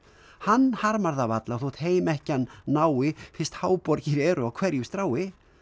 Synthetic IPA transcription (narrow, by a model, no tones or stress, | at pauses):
hanːhaɾmaɾðavat̪lawθuht̪heːjmɛhcɪanːaːwɪfɪst̪haːwpɔɾcɪɾɛːɾʏawkʰv̥ɛɾjʏst̪ɾaːwɪ